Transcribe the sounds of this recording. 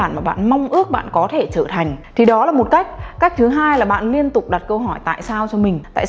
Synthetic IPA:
aː˧˩nmaː˨˩ɓa̰ː˧˨nma˧wŋ͡mʔɨ˦˥ək̚ɓa̰ː˧˨nkɔ˨˦t̪ʰe˧˩t͡ɕəː˧˩t̪ʰa˨˩jŋ̟t̪ʰi˨˩ɗɔ˨˦laː˨˩mo˨˩t̚ka˦˥k̟̚kaː˦˥k̟̚t̪ʰɨ˨˦ɦaː˧jlaː˨˩ɓa̰ː˧˨nli˧ənt̪ʊ˨˩k͡p̚ɗa˨˩t̚kə˧wɦɔ˧˩jt̪a̰ː˧˨jsaː˧wt͡ɕɔ˧mï˨˩ŋ̟t̪a̰ː˧˨

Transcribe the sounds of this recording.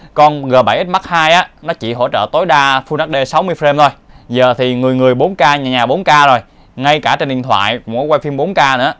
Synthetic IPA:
kɔ˧nɣəː˨˩ɓa˧˩jʔi˦˥t̚ma˦˥k̚haː˧jʔaː˨˦nɔ˨˦t͡ɕḭ˧˨ɦo̰˧˩t͡ɕə̰ː˧˨t̪o˨˦jɗaː˧fu˧na˦˥k̚ɗe˧sa˨˦wmɨ˧əjfɾe˧mt̪ʰo˧jzəː˨˩t̪ʰi˨˩ŋɨ˨˩əjŋɨ˨˩əjɓo˨˦nkaː˧ɲaː˨˩ɲaː˨˩ɓo˨˦nkaː˧zo˨˩j | ŋa˧jkaː˧˩t͡ɕe˧nɗḭ˧ənt̪ʰwa̰ː˧˨jkkɔ˨˦kwa˧jfi˧mɓo˨˦nkaː˧nɨ̰˧˥ə˦

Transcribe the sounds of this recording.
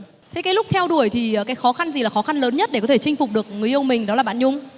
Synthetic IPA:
t̪ʰe˨˦kaː˨˦lʊ˦˥k͡p̚t̪ʰɛ˧wɗu˧˩əjt̪ʰi˨˩˨kaː˨˦jxɔ˨˦xa˧nzi˨˩laː˨˩xɔ˨˦xa˧nləː˨˦nɲə˦˥t̚ɗe˧˩kɔ˨˦t̪ʰe˧˩t͡ɕï˧ŋ̟fʊ˨˩k͡p̚ɗɨ˨˩ək̚ŋɨ˨˩əʔə˧wŋ͡mmï˨˩ŋ̟ɗɔ˨˦laː˨˩ɓa̰˧˨nɲʊ˨˧˦ŋ͡m

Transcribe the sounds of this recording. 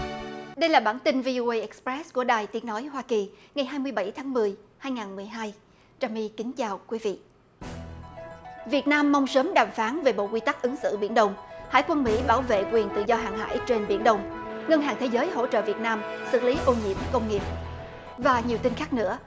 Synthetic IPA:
ɗə˧jlaː˨˩ɓaː˧˩nt̪ï˧nvi˧ʔo˧ʔə˧jʔɛ˦˥k̚spɹɛ˦˥sku˧˩əɗaː˨˩jt̪i˨˦əŋnɔ˨˦jhwaː˧ki˨˩ŋa˨˩jɦaː˧jmɨ˧əjɓa˧˩jt̪ʰaː˨˦ŋmɨ˨˩əjhaː˧jŋaː˨˩nmɨ˨˩əjɦaː˧j | t͡ɕaː˨˩mi˧kï˨˦ŋ̟t͡ɕaː˨˩wkwi˨˦vḭ˧˨ | vi˨˩ət̚naː˧mːa˧wŋ͡msəː˨˦mɗaː˨˩mfaː˨˦nve˨˩ɓo̰˧˨kwi˧t̪a˦˥k̚ʔɨ˨˦ŋsɨ̰˧˨ɓḭ˧˩ənɗə˧wŋ͡mha̰ː˧˥jkwə˧nmḭ˧˥ɓaː˧˩wvḛ˧˨kwi˨˩ənt̪ɨ̰˧˨zɔ˧ɦa̰ː˧˨ŋha̰ː˧˩jt͡ɕe˧nɓi˧˩ənɗə˧wŋ͡mŋə˧nɦaː˨˩ŋt̪ʰe˨˦zəː˨˦jɦo̰˧˥t͡ɕə̰ː˧˨vi˨˩ət̚naː˧msɨ̰˧˨li˨˦ʔo˧nɲḭ˧˥əmkə˧wŋ͡mŋi˨˩əp̚ | vaː˨˩ɲi˨˩əwt̪i˧nxaː˦˥k̚nɨ̰˧˥ə

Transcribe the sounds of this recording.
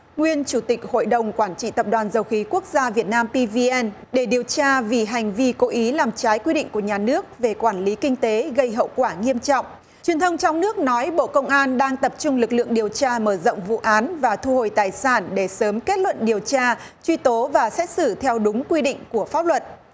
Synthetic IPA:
ŋwi˧ənt͡ɕu˧˩t̪i˨˩k̟̚ho̰˧˨jɗə˨˩wŋ͡mkwaː˧˩nt͡ɕḭ˧˨t̪ə˨˩p̚ɗwaː˨˩nzə˧wxi˨˦ku˦˥ək̚zaː˧vi˨˩ət̚naː˧mpi˧vi˧ʔɛ˧n | ɗe˧˩ɗi˨˩əwt͡ɕaː˧vi˨˩ɦa˨˩jŋ̟vi˧ko˨˦ʔi˨˦laː˨˩mt͡ɕaː˨˦jkwi˧ɗḭ˧˨ŋ̟ku˧˩əɲaː˨˩nɨ˦˥ək̚ve˨˩kwaː˧˩nli˨˦kï˧ŋ̟t̪e˨˦ɣə˧jɦə̰˧˨wkwaː˧˩ŋi˧əmt͡ɕɔ̰˧˨wŋ͡m | t͡ɕwi˨˩ənt̪ʰə˧wŋ͡mt͡ɕɔ˧wŋ͡mnɨ˦˥ək̚nɔ˨˦jɓo̰˧˨kə˧wŋ͡mʔaː˧nɗaː˧ŋt̪ə˨˩p̚t͡ɕʊ˧ŋ͡mlɨ˨˩k̚lɨ̰˧˨əŋɗi˨˩əwt͡ɕaː˧məː˧˩zə̰˧˨wŋ͡mvṵ˧˨ʔaː˨˦nvaː˨˩t̪ʰu˧ho˨˩jt̪aː˨˩jsaː˧˩nɗe˧˩səː˨˦mke˦˥t̚lwə̰˧˨nɗi˨˩əwt͡ɕaː˧ | t͡ɕwi˧t̪o˨˦vaː˨˩sɛ˦˥t̚sɨ˧˩t̪ʰɛ˧wɗʊ˨˦ŋ͡mkwi˧ɗḭ˧˨ŋ̟ku˧˩əfaː˦˥p̚lwə˨˩t̚

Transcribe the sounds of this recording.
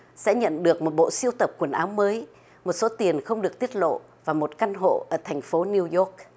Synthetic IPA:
sɛ̰˧˥ɲə̰˧˨nɗɨ˨˩ək̚mo˨˩t̚ɓo̰˧˨si˧əwt̪ə˨˩p̚kwə˧˩nʔaː˨˦wməː˨˦j | mo˨˩t̚so˨˦t̪i˨˩ənxə˧wŋ͡mɗɨ˨˩ək̚t̪i˦˥ət̚lo̰˧˨ | vaː˨˩mo˨˩t̚ka˧nɦo̰˧˨ʔəː˧˩t̪ʰɛ˨˩jŋ̟fo˨˦ni˧wjɔ˦˥k̚

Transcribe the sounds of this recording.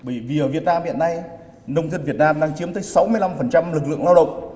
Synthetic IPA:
ɓəː˧˩jvi˨˩ʔəː˧˩vi˨˩ət̚naː˧mhḭ˧˨əna˧j | nə˧wŋ͡mt̪ʰi˧nvi˨˩ət̚naː˧mɗaː˧ŋt͡ɕi˨˦əmt̪əː˨˦jsa˨˦wmɨ˧əjla˧mfə˨˩nt͡ɕa˧mlɨ˨˩k̬̚lɨ̰˧˨əŋlaː˧wɗə̰˧˨wŋ͡m

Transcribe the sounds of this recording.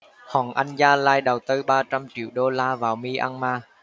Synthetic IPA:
hɔ̰˨˩ŋʔa˧jŋzaː˧laː˧jɗə˨˩wt̪ɨ˧ɓaː˧t͡ɕa˧mt͡ɕḭ˧˨əwɗo˧laː˧vaː˨˩wmi˧ʔa̰˧nmaː˧

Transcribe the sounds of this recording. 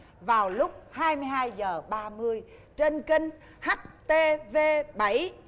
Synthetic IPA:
vaː˨˩wlʊ˦˥k͡p̚haː˧jmɨ˧əjɦaː˧jzəː˨˩ɓaː˧mɨ˧əj | t͡ɕe˧nkï˧ŋ̟ | ha˦˥k̚t̪e˧ve˧ɓə˧˩j

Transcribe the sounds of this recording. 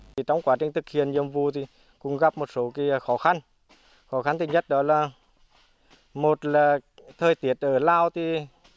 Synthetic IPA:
i˨˩t͡ɕɔ˧wŋ͡mkwaː˨˦t͡ɕï˨˩ŋ̟t̪ʰɨ˨˩k̚hi˨˧˨ənɲə̰˧˨əmvu˧˨t̪ʰi˨˩ | kʊ̰˧˥ŋ͡mɣa˧˩p̚mo˨˩t̚so˨˦ki˨˦˧xɔ˨˦xa˧n | xɔ˨˦xa˧˩nt̪i˨˩ɲə˦˥t̚ɗɔ˨˦laː˨˩ | mo˨˩t̚laː˨˩t̪ʰəː˨˩jt̪i˨˦ət̚ʔəː˧˩laː˧wt̪ʰi˨˩

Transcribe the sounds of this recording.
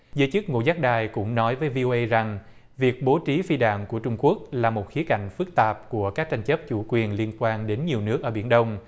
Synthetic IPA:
zəː˨˦jt͡ɕɨ˦˥k̚ŋo̰˧˨zaː˦˥k̚ɗaː˨˩jkʊ̰˧˥ŋ͡mnɔ˨˦jvəː˨˦jvi˧ʔo˧ʔə˧jza˨˩ŋ | vi˨˩ək̚ɓo˨˦t͡ɕi˨˦fi˧ɗa̰ː˧˨ŋku˧˩ət͡ɕʊ˧ŋ͡mku˦˥ək̚laː˨˩mo˨˩t̚xi˨˦əka˧˩jŋ̟fɨ˦˥k̚t̪aː˨˩p̚ku˧˩əkaː˦˥k̚t͡ɕa˧ŋ̟t͡ɕə˦˥p̚t͡ɕu˧˩kwi˨˩ənli˧ənkwaː˧nɗe˨˦nɲi˨˩əwnɨ˦˥ək̚ʔəː˧˩ɓi˧˩ənɗə˧wŋ͡m

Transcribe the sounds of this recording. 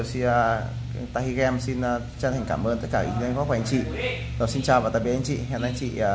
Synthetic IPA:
si˧n˧ | t̪a̰˧˨hi˧ɣɛ˧msi˧nː˧ | t͡ɕa˧nt̪ʰŋ̟kaː˧˩mʔəː˧nt̪ə˦˥t̚kaː˧˩ḭ˧˩˧ŋkɔ˧˦˥kɔ˨˧˩ŋt͡ɕḭ˧˨ | zaː˨˩si˧nt͡ɕaː˨˩wvaː˨˩aː˨jɓ̰ʔŋt͡ɕḭ˧˨hɛ˧˩˨na˧ŋt͡ɕḭ˧˨˩

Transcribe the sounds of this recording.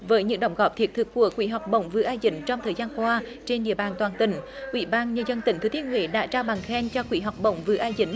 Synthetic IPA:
vəː˨˦jɲɨ̰˧˥ŋɗə˧˨wŋ͡mɣɔ˨˩p̚t̪ʰi˨˩ət̚t̪ʰɨ˨˩k̚ːu˧˩əkwḭ˧˥ɦa˨˩wk͡p̚ɓə̰˧˨wŋ͡mvɨ̰˧˨˦ʔaː˧zḭ̈˧˥ŋ̟t͡ɕɔ˧wŋ͡mt̪ʰəː˨˩jzaː˧nkwaː˧t͡ɕe˧nɗḭ˧˨əɓaː˨˩nt̪waː˨˩nt̪ï˧˩˦ŋ̟ʔwḭ˧˩ɓaː˧nɲəː˧zə˧nt̪ï˨˩ŋ̟t̪ɨ˨˦t̪i˨˦ənhwḛ˧˨˦ɗa̰ː˧˥t͡ɕaː˧wɓa˨˩ŋxɛ˧nt͡ɕɔ˧kwḭ˧˩˦ɦa˨˩wk͡p̚ɓə̰˧˨wŋ͡mvɨ̰˧˨˦ʔaː˧jzḭ̈˧˥˦ŋ̟

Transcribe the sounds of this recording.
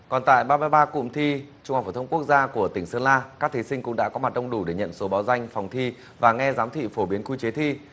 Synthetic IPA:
kɔ˨˩nt̪a̰ː˧˨jɓaː˧maː˧jɓaː˧kʊ̰˧˨ŋ͡mt̪ʰi˧t͡ɕʊ˧ŋ͡mhk͡pfːt̪ʰə˧ŋ͡mku˦˥k̚zaː˧ku˧˩ət̪ï˧˩ŋ̟səː˧nlaː˧kaː˦˥k̚t̪ʰi˨˦sï˧ŋ̟kʊ̰˧˥ŋ͡mɗa̰ː˧˥kɔ˨˦ma˨˩t̚ɗə˧wŋ͡mɗu˧˩ɗe˧˩ɲə̰˧˨nso˨˦ɓaː˨˦wza˧jŋ̟fa˨˩wŋ͡mt̪ʰi˧ | vaː˨˩ŋɛ˧zaː˨˦mt̪ʰḭ˧˨fo˧˩ɓi˨˦ənku˧jt͡ɕe˨˦t̪ʰi˧

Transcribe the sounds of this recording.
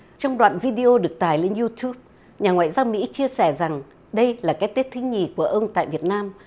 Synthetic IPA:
t͡ɕɔ˧wŋ͡mɗwa̰ː˧˨nvi˧ɗi˧ʔo˧ɗɨ˨˩ək̚t̪aː˨˩jle˧nzu˧t̪ju˦˥p̚ | ɲaː˨˩ŋwa̰ː˧˨jzaː˧wmḭ˧˥t͡ɕi˧əsɛ˧˩za˨˩ŋ | ɗə˧jlaː˨˩kaː˨˦jt̪i˦˥t̚t̪ʰŋɲi˨˩ku˧˩əʔə˧wŋ͡mt̪a̰ː˧˨jvi˨˩ət̚naː˧m

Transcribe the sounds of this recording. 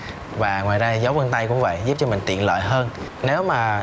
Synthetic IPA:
vaː˨˩ŋwaː˨˩jza˧jzə˨˦wvə˧nt̪a˧jkʊ̰˧˥ŋ͡mvə̰˧˨jzu˦˥p̚t͡ɕɔ˧mï˨˩ŋ̟t̪ḭ˧˨ənlə̰ː˧˨jɦəː˧n | ne˨˦wmaː˨˩

